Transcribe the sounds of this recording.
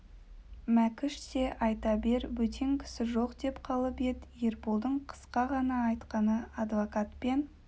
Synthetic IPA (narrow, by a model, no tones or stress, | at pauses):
mækʲɪʃse̞ʔɑjt̪ɑbe̞ɾwɵt̪ʰe̞ŋkʲʰɪ̥sɪʒo̞qd̪e̞pqʰɑlˠəpe̞d̪je̞ɾpulˠd̪əɴqʰə̥sqɑʁɑnɑːjt̪qɑnəɑd̪vokat̪pen